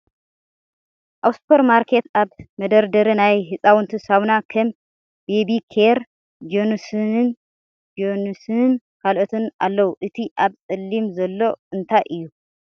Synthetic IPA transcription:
ʔawspʰoɾmaɾkʰe̞t̪ʰaβmɐd̪ɐɾd̪ɐɾinajɦɨsʼawɨnt̪ʰɨsawnakʰɐm | bebikʰeɾ | d͡ʒonsnɨn | d͡ʒonusɨn | kʰalʔot̪ʰɨna̰lːɐwuʔɨt̪ʰiʔaβt͡sʼɨlːimzɐlːo̞ɨnt̪ʰajʔɨjːu

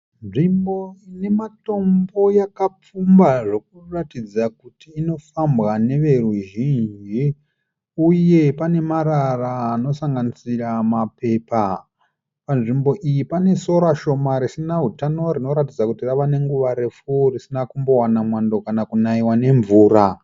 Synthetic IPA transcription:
nʐimboine̞mato̞mbo̞jakap͡fumbaʐe̞k̚uratid͡zakutiːno̞fambɣane̞ʋe̞ruʒiɲʒi | uje̞pane̞maɾaraːno̞saŋɡanisiramape̞ːpa | panʐimbo̞ʔijipane̞so̞ɾaʃo̞maɾisinaɦutano̞ɾino̞ɾatid͡zakutiraʋane̞ŋɡuʋaɾe̞furisinakumbo̞wanamwando̞kanakunaiwane̞ɱvuːɾa

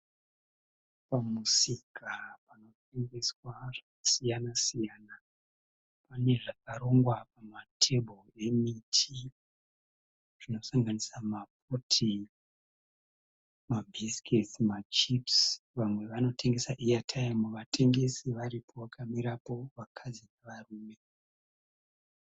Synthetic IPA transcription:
pamusikapano̞t̚e̞ŋɡe̞swaʐakasijanasijana | pane̞ʐak̚aɾoŋɡwap̚amatʰe̞bʱoe̞mitʰi | ʐ̥ino̞saŋɡanisamap̚utʰi | mabʱiskesimat͡ʃipsʋamwe̞ʋano̞tʰe̞ŋɡe̞saʔijatʰaimuʋatʰe̞ŋɡe̞siʋaɾipʰo̞ʋakʰamiɾapo̞ʋakʰad͡zineʋaruːme̞

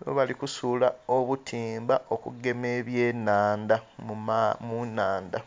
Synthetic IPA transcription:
βo̰βalikusulaoβutʰiːmbao̞kuɡe̞me̞ːβje̞ːnaːndamumunːaːnda

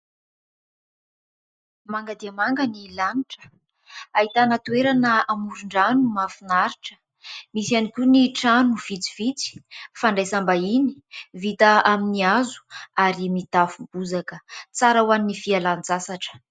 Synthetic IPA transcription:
maŋɡad̪iamaŋɡanilaniʈ͡ʂə̥ | aɦit̪anat̪ueɾanəamuɾuɳɖ͡ʐanumafinaɾiʈ͡ʂə̥ | misianikʲuniʈ͡ʂanuv̥it͡si̥vit͡si̥faɳɖ͡ʐajsambainivit̪aaminiazu̥aɾimit̪afubuzakət͡saɾawaninifialand͡zasaʈ͡ʂə̥

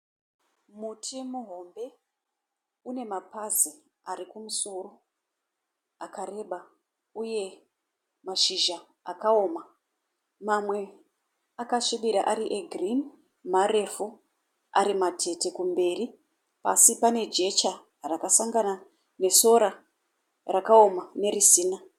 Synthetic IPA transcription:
mutʰimuɦo̞mbe̞ | une̞mapazi | arikumuso̞ro̞ | akare̞ɓa | uje̞ | maʃiʒa | akao̞ːma | mamwe̞ | akaʃiɓiɾaʔaɾiʔeɡʱrin | maɾe̞fu | a̰ɾimatʰe̞te̞kumbe̞ːri | pasipane̞d͡ʒe̞t͡ʃa | rakasaŋɡana | ne̞so̞ɾa | rakao̞mane̞ɾisiːna

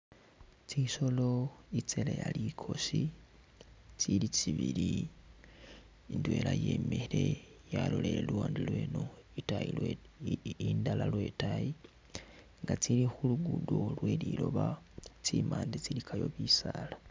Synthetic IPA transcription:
t͡siʃo̞loit͡selejalikʰo̞ʃi | t͡silit͡ʃiβiɾi | indwe̞ːlajeːmeɾe | jalo̞leɾeluwaːndilweːnoitajilwe | indalalwe̞taji | ŋɡat͡silixuluɡudolwe̞lilo̞βat͡simaːndet͡silikʰajo̞βisala

